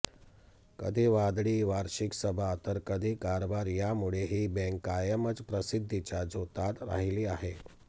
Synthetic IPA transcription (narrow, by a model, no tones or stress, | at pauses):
kə̰d̪ʱiːʋad̪ɭiːʋaɾɕiksəbʱat̪əɾkəd̪ʱiːkaɾbaɾjamuɭeɦiːbɛ̃ŋkajəmət͡spɾəsid̪ʱːit͡ɕjad͡zot̪at̪ɾa̰ɦiliːaɦe